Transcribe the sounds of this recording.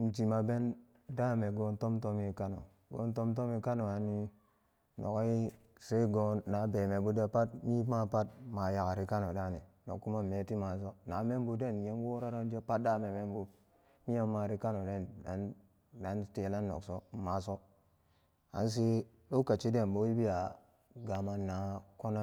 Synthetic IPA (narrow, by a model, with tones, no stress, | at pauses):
m̩˨d͡ʒi˨ma˨be˦n | da˦me˨ɡo˨nto˦mto˦mi˦ka˦no̰˨ | ɡo̰˨nto˦mt̬o˦mi˦ka˦no˨a˨nːi˦ | no̰˨ka˦i˦ | se˦ɡo˦nːa˨˦be˨me˨bu˦de˦pa˦t̚mi˦ma˦pa˦t̚ma˨ja˨ka˨ɾi˦ka˦no˨da˦˨nḭ˨no̰˨kːu˦ma˦˨me˨˦ti˦ma˨s̬o˦na˨˦me˦mbu˨de˦˨n˨je˦nwo˦ɾa˦ɾa˦n˦d͡ʒe˦pa˦t̚da˦me˨me˦mbu˨ | mi˦ja˦mːa˨ɾi˦ka˦no˨de˦˨na˨n | da˨˦nte˨˦la˦nːo̰˨kso˦ma˨˦so˦ | a̰˨˦ns̬i˦ | lo˦ka˨t͡ʃi˦de˦˨nbo˦i˦bi˦ja˨ | ɡa˨ma˦nːa˨˦ko˦na˦